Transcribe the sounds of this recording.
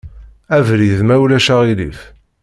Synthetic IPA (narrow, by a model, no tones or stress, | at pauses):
ævɾiðmæwlæʃaʁilḭf